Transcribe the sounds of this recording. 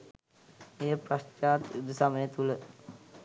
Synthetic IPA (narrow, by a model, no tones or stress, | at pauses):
eːprɐʃt͡ʃaːt̪ud̪usaməjet̪ulə